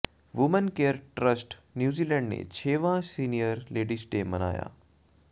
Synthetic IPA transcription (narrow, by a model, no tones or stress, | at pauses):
ʋʊmənkeːəɾʈɾəsʈnjuːziːlɛ̃ːɳɖnḛt͡ɕʰeːʋãsiːnijəɾleːɖisʈeːmɐna̰ːja̰ː